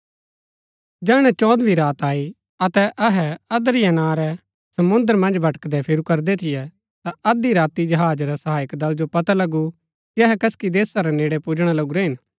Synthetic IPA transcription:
d͡ʒɛːɽ̃ɛt͡ʃɔːd̪bʱiɾaːt̪aːi | ɐt̪ɛʔɐɦɛɐd̪ɾɪjanãːɾɛ | sɐmʊ̃nd̪əɾmɐ̃nd͡ʒbʱɐʈə̥kd̪ɛpʰɪɾukɐɾd̪ɛt̪ʰɪjɛ | t̪aɐd̪iɾaːt̪id͡ʒɐɦaːd͡ʒɾɛsɐɦaːɪkd̪ɐld͡ʒopɐt̪alɐɡu | kiɐɦɛkɐskid̪eːsaɾɛneːɽɛpud͡ʒɽ̃alɐɡuɾɛɦɪn

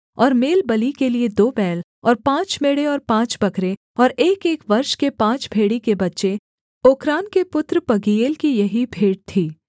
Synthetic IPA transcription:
ɔːɾmeːlbɐlikelied̪oːbɛːl | ɔːɾpãːt͡ʃmeːɽeɔːɾpãːt͡ʃbɐkɾe | ɔːɾeːkeːkʋɐɾʃkepãːt͡ʃbʱeːɽikebɐtːʃe | oːkɾaːnkepʊt̪ɾpɐɡieːlkijɐɦibʱeːɽt̪ʰiː

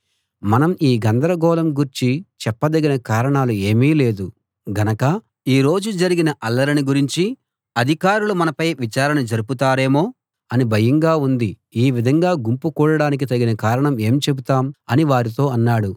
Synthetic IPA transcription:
mɐnɐmiːɡɐnd̪ɐɾɐɡɔːlɐmɡuɾt͡ʃit͡ʃɛpːɐd̪ɐɡinɐkaːɾɐɳaːlue̞ːmiːle̞ːd̪u | ɡɐnɐkɐ | iːɾo̞ːd͡ʒud͡ʒɐɾiɡinɐʔɐlːɐɾiniɡuɾiɲt͡ʃi | ɐd̪ʱikaːɾulumɐnɐpɐjʋit͡ʃaːɾɐnɐd͡ʒɐɾuput̪aːɾe̞ːmo̞ː | ɐnibʱɐjɐŋɡaːund̪i | iːʋid̪ʱɐŋɡaːɡumpukuːɽɐɽaːnik̬it̪ɐɡinɐkaːɾɐɳɐme̞ːmt͡ʃe̞but̪aːmɐniʋaːɾit̪o̞ːɐnːaːɽu

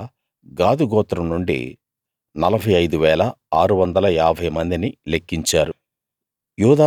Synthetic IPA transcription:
ɡaːd̪uɡɔːt̪ːɾɐmnuɳɖḭ | nɐlɐbʱɐjɐjd̪uʋɛːlɐaːɾuʋɐnd̪ɐlɐjaːbʱɐjmɐnd̪inilekːiɲt͡ʃaːɾu | juːd̪a

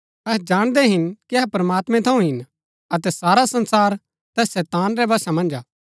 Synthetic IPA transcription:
ɛɦd͡ʒaːɽ̃d̪ɛɦɪnkiɐɦpɾɐmaːt̪mɛ̃t̪ʰɐ̃ũɦɪn | ɐt̪ɛsaːɾasɐ̃nsaːɾ | t̪ɛːsɛːt̪aːnɾɛbaːsamɐ̃nd͡ʒaː

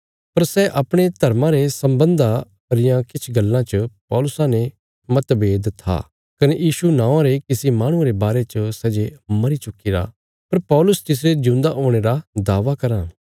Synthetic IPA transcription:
pɐɾsɛʔɐpɽ̃et̪ɐɾmãɾesɐ̃mbə̃nd̪a | pɐɾɪjãkɪt͡ʃʰɡɐlːãt͡ʃəpɔːlʊsãne | mɐt̪beːd̪t̪ʰa̰ | kɐnejiːʃunãːãɾekɪsimaːɽ̃ʊ̃ẽɾebaːɾet͡ʃəsɛːd͡ʒemɐɾit͡ʃʊkːiɾa̰ | pɐɾpɔːlʊst̪ɪs̬ɾed͡ʒʊ̃ːnd̪aʔoːɽ̃eːɾad̪aːʋakɐɾãː

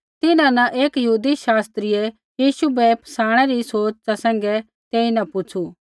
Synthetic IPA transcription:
t̪ɪnãnɐʔeːkjəɦuːd̪iʃaːst̪ɾɪjɛ | jiːʃubɛpʰɐ̥saːɽ̃ɛɾisoːt͡ʃt͡ʃasɛ̃ːŋ̆ɡɛ | t̪eːinɐpʊt͡ʃʰu

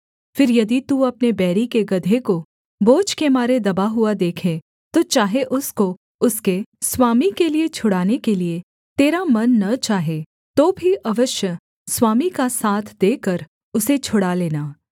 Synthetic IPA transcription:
fɪɾjɐd̪it̪uɐpnebɛːɾikeɡɐd̪ʱeko | boːt͡ʃkemaːɾed̪ɐbaɦuad̪eːkʰe | t̪ot͡ʃaːɦeʔʊsko | ʊskeswaːmikeliet͡ʃʰʊɽaːnekelie | t̪eːɾamɐnːɐt͡ʃaːɦe | t̪oːbʱiʔɐʋəʃjə | swaːmikasaːt̪ʰd̪eːkəɾ | ʊset͡ʃʰʊɽaleːnaː

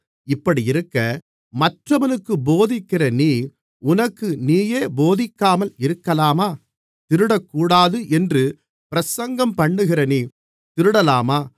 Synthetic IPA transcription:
ɪpːɐɽiɪɾɯkːɐ | mɐʈrɐʋɐnɯkːɯboːðɪkːɪrɐniː | ʊnɐkːɯniːjeːboːðɪkːaːmɐlɪɾɯkːɐlaːmaː | t̪ɪɾɯɽɐkːuːɽaːðɯʔɛndrɯ | pɪɾɐsɐŋɡɐmpɐɳːɯɣɪɾɐniː | t̪ɪɾɯɽɐlaːmaː

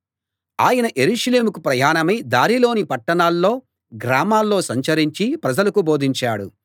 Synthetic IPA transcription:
aːjɐnɐʔe̞ɾuʂɐle̞ːmukupɾɐjaːnɐmɐjd̪aːɾilo̞ːnipɐʈːɐɳaːlːo̞ː | ɡɾaːmaːlːo̞ːsɐɲt͡ʃɐɾiɲt͡ʃipɾɐd͡ʒɐlɐkubo̞ːd̪ʱiɲt͡ʃaːɽṵ

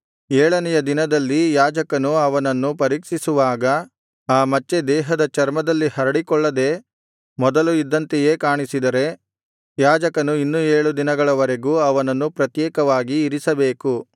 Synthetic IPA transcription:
ɛːɭɐnɛjɐd̪inɐd̪ɐlːijaːd͡ʒɐkɐnuɐʋɐnɐnːupɐɾiːkʂisuʋaːɡɐ | aːmɐt͡ʃːe̞d̪ɛːɦɐd̪ɐt͡ʃɐɾmɐd̪ɐlːihɐɾɐɽikɔɭːɐd̪e̞ː | mɔd̪ɐluid̪ːɐnt̪eje̞ːkaːɳisid̪ɐɾe̞ | jaːd͡ʒɐkɐnuinːueːɭud̪inɐɡɐɭɐʋɐɾe̞ɡuːɐʋɐnɐnːupɾɐt̪jɛːkɐʋaːɡiːɾisɐbe̞ːku

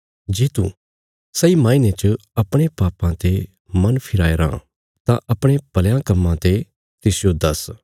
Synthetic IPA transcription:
d͡ʒeːt̪ũ | sɐimãːinet͡ʃəɐpɽ̃epaːpãt̪e | mɐnpʰɪɾaːeɾã̰ː | t̪ãʔɐpɽ̃epɐljãkɐmːãt̪e | t̪ɪsjod̪ɐs

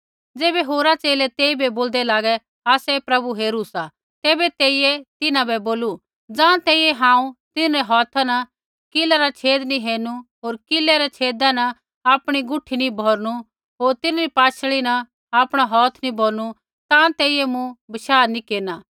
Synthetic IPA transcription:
d͡zeːbɛɦoːɾat͡seːlɛt̪eːibɛboːld̪ɛlaːɡɛ | aːsɛpɾɐbuɦeːɾusa | t̪eːbɛt̪eːiɛt̪ɪnãbɛboːlu | d͡zãːt̪eːijɛɦãːũt̪ɪnɾɛɦɔːt̪ʰanɐ | kɪlaɾat͡ʃʰeːd̪niɦeːnuɦoːɾkɪlːɛɾɛt͡ʃʰeːd̪anɐ | aːpɽ̃iɡʊʈʰːinibʱɔːɾnu | ɦoːɾt̪ɪnaɾipaːt͡ʃʰɭinɐ | aːpɽ̃aɦɔːt̪ʰnibʱoːɾñu | t̪ãt̪eːijɛmũbɐʃaːnikeːɾnaː

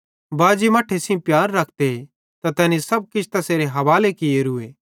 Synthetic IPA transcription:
baːd͡ʒimɐʈʰːesĩũpjaːɾːɐk̚ʰt̪e | t̪at̪ɛːnisɐb̚kɪt͡ʃʰt̪ɐseːɾeɦɐʋaːlekɪeɾʊeː

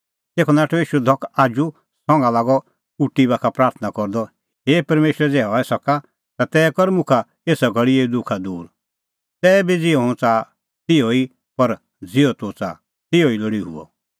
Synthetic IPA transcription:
t̪eːkʰɔnãːʈʰɔiːʃud̪ʱɔkʰaːd͡ʒu | sɔ̃ŋɡãlaːɡɔ | uʈːibakʰapɾaːɾt̪ʰnakɔɾd̪ɔ | ɦeːpɐɾmeːʃɾɛd͡zɛːɦɔːɛsɐka | t̪at̪ɛːkɔɾmʊ̃kʰa | eːsaɡʱɐɽieid̪ʊkʰad̪uːɾ | t̪ɛːbid͡zɪɔɦõt͡saː | t̪ɪoi | pɐɾ | d͡zɪɔt̪ʊt͡sa̰ː | t̪ɪoilɔɽiɦṵɔ̰

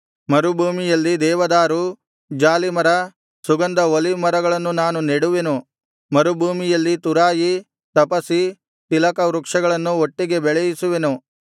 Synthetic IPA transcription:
mɐɾubʱuːmijɐlːid̪ɛːʋɐd̪aːɾu | d͡ʒaːlimɐɾɐ | suɡɐnd̪ɐolimɐɾɐɡɐɭɐnːunaːnuneɽuʋe̞nu | mɐɾubʱuːmijɐlːit̪uɾaːji | t̪ɐpɐsi | t̪ilɐkɐʋɾukʂɐɡɐɭɐnːuoʈːiɡe̞bɛɭɐjisuʋe̞nu

